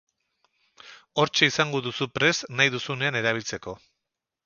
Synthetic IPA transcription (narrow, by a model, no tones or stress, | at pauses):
o̞ɾt͡ʃe̞isaŋɡo̞ðusupɾe̞snajðusune̞ane̞ɾaβ̞ilt͡se̞ko̞